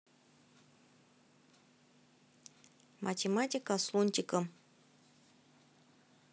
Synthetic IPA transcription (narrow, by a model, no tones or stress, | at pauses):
mʔatʲematʲikaslˠunʲtʲikəm